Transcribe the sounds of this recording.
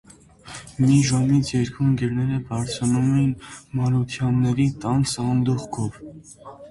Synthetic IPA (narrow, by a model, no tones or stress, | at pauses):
miʒɑmit͡sʰjɛɾkʰunɡɛɾnɛɾəbɑɾt͡sʰɑnumɛjinmɑɾut̪ʰjɑnːɛɾit̪ɑnsɑnd̪uχkʰɔv